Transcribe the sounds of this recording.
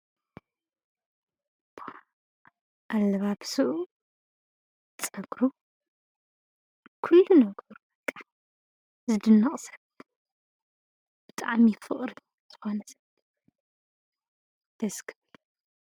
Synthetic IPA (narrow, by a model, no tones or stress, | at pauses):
b̥ʰo | ʔalːɐβaβsɨʔu | t͡sʼɐɡɾu | kʰulːunɐɡɐɾubɐkʼːḁ | zɨd̪ɨnːɐχʼsɐ̥β | b̥ɨt̪ʼaʕmifɨ̰χʼɾi | z̥ɨ̥xonɐsɐ̥β | d̪̥ɐskʰɨβl